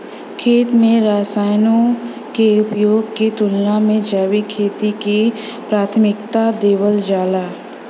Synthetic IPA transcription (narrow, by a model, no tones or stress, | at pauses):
kʰeːt̪mẽɾaːsaːjnõ | keʊpjoːɡket̪ʊlnamẽd͡ʒaːwikʰeːt̪ike | pɾaːt̪ʰmɪkt̪ad̪eːwəld͡ʒaːlaː